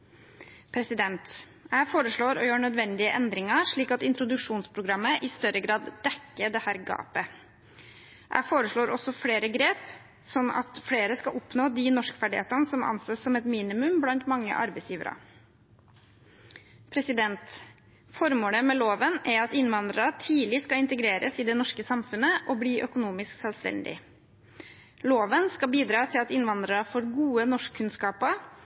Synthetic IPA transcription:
pʰɾɛsɪd̪ɛnt̪ | jæɪfoːɾəʂɭoːɾɔjøːɳœd̪ʋɛnd̪ɪəʔɛnd̪ɾɪŋɑʂɭiːkɑt̪ɪnt̪ɾʊd̪ʉʂuːnspʰɾʊɡɾɑmːəʔɪst̪œɾəɡɾɑːd̪d̪ɛkːəd̪ɛhæːɾɡɑ̰ːpə | ʔæ̰ɪfoːɾəʂɭoːɾɔsɔfleːɾəɡɾeːp | sɔnːʔɑ̰t̪fɽeːɾəskɑʔɔpnoːd̪ɪnɔʂkəfæɖɪhḛːt̪ənəsɔmɑ̰nseːsːɔmɛt̪miːnɪmʉmblɑnt̪mɑŋːə̰ʔɑɾbæɪsjiːʋə̰ɾɑ̰ | pʰɾɛsɪd̪ɛnt̪ | fɔɾmoːləmɛloːʋənæɾɑt̪ɪnʋɑnd̪ɾəɾɑt̪ʰiːlɪskɑɪnt̪əɡɾeːɾə̰sɪd̪ɛnɔʂkəsɑmfʉnəʔɔbliːʔœkʊnuːmɪsksɛlst̪ɛ̰nd̪ɪ̰ | loːʋənskɑbiːd̪ɾɑːt̪ʰɪlɑt̪ɪnʋɑnd̪ɾəɾəfoɾɡuːənɔʂkʰːʉnskɑːpəɾ

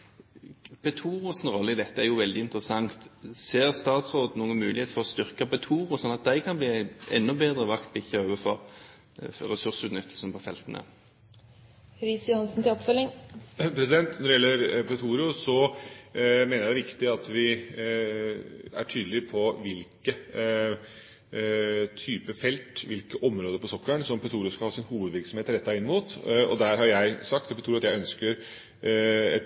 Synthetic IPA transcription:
pɛt̪ʰuːɾʊsnʁɔlːəɪd̪ɛt̪ːəæjʊʋɛld̪ɪɪnt̪əɾəsɑŋt̪seːʁst̪ɑːt̪sʁoːd̪nuːənmʉːlɪheːt̪fɔʁɔst̪ʏʁkɑpɛt̪ʰuːɾʊsɔnːɑt̪̚d̪æɪkʰɑnbliːɛ̰nːʊbeːd̪ɾəʋɑkt̪bɪçəøːʋəfɔʁ | ɾɛsʉʁsʉːt̪nʏt̪ʰːəlsn̩pʰɔfɛlt̪ənʔə̰ | ɾisjʊhɑnsn̩t̪ɪlɔpfœlɪŋpʰɾɛsɪd̪ɛnt̪nɔɖɛjɛlːəɾpʰɾɛt̪ʰuːɾɪʊsɔ | meːnəjæɪd̪ɛʋɪkt̪ɪɑt̪ʋɪ | æ̰ʈʰyːd̪əlɪpʰɔʋɪlkə | t̪ʰyːpəfɛlt̪ʋɪlkəʔɔmɾoːd̪əɾpɔsɔkːəɳsɔmpʰɾɛt̪ʰuːɾɪʊskɑlhɑːsɪnhuːʋəd̪ʋɪɾksɔm̩eːt̪ɾɛt̪ːɑɪnːəmuːt̪ɔ̰d̪æɾhɑɾjæɪsɑkt̪ɔpʰət̪ʰuːɾʊɑt̪jæɪœnskəɾ | ɛ

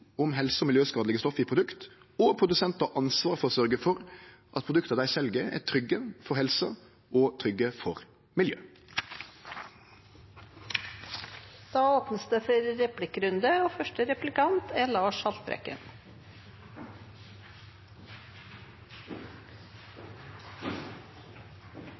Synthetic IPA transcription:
ɔmhɛlsəɔːmɪljøːskɑːd̪lɪɡəst̪ɔfiːpʰʁʊd̪ʉkt̪ | ɔpʰʁʊd̪ʉsɛnt̪əʔɑnsʋɑːɾfɔsœɾɡəfɔʁ | ʔɑt̪̚pʰʁʊd̪ʉkt̪əd̪æɪsɛlɡəæ̰ːt̪ʰɾʏɡəfɔhɛlsə | ɔːt̪ʰɾʏɡːəfɔʁ | mɪljø̰ː | d̪̥ɑːoːpnəsd̪əfɔɾɾɛplɪkɾʉnd̪əoːfœʃʈəɾɛplɪkɑnt̪ʰæːlɑːʃhɑlt̪̚bɾɛ̰kə̰n

